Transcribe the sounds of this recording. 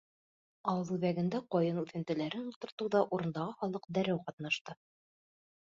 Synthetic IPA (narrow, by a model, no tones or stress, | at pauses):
ɑwɤðʉðæɡɘ̆nd̪æqɒjɤnʉθɘ̆nt̪ɘ̆læɾɘnulˠt̪ŏɾt̪ɤ̆wðɑʔuɾɤ̆nd̪ɑʁɤχɑlˠɤqd̪æɾæwqɑt̪nɑʃt̪ɤ